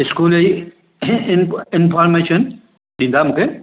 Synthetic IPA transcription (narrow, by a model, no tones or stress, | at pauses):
ɪskuːlei | ɪnɪnfʰaːɾmeːʃən | ɗĩːnd̪amũːkʰe